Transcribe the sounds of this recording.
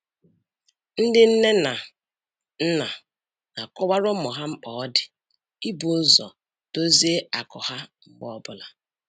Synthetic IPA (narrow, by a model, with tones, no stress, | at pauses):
n̩˦dɪ˦n̩˦ne˦na˨ | n̩˦na˨ | na˨kɔ˦wa˦ɾʊ˦mʊ˨ɦa˦ŋ͡m̩˦k͡pɔ˨ɔ˦dɪ˨ | i˦bʊ˨˦zɔ̰˨ | to˦ze˦a˨kɔ˨ha˦ŋ͡m̩˦k͡pɔ˦˨ɔ˦bʊ˦˨la˨